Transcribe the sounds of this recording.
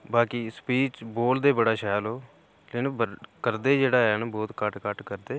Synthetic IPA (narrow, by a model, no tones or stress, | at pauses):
baːkiːspiːt͡ʃboːld̪eːbəɽaːʃɛːlɦoː | lenbəkəɾd̪eːd͡ʒeːɽaːɦɛnabɔːt̪kəʈkəʈkəɾd̪eː